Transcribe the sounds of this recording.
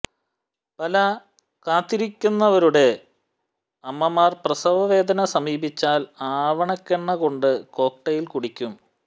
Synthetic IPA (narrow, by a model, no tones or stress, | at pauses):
pɐlɐ | kaːt̪ːiɾikʲːunːɐʋɐɾuɽe̞ | ɐmːɐmaːrprɐsɐʋɐʋe̞ːd̪ɐnɐsɐmiːbit͡ɕːaːlaːʋɐɳɐkːeɳːɐko̞ɳɖɨko̞ːk̚ʈɐjilkuɽikʲːum